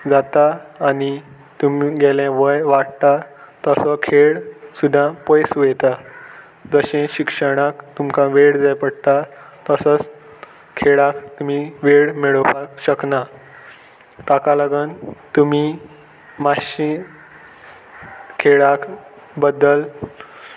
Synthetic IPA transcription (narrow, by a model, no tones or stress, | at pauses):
d͡zat̪aːñi | t̪umiɡɛljãʋəjʋaɽt̪at̪əsɔkʰeɭsud̪ʱːãpəjsuʋɛt̪a | d͡zəɕẽɕikʂəɽ̃akt̪umkãʋeɽd͡zajpəɽt̪a | t̪əsət͡s | kʰeɭakt̪um̤iʋeɽmeɭəpakɕəkna | t̪akaləɡənt̪umi | maɕin | kʰeɭak | bəd̪ːəl